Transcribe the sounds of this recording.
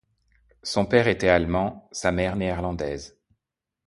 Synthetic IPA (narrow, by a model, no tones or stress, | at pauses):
sɔ̃pɛʁet̪ɛalmɑ̃samɛʁneɛʁlɑ̃d̪ɛz